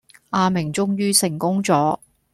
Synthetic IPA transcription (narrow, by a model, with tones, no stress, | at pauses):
ʔaː˧mɪ˨˩ŋt͡sʊ˥ŋjyː˥sɪ˨˩ŋkʊ˥ŋt͡sɔː˨˥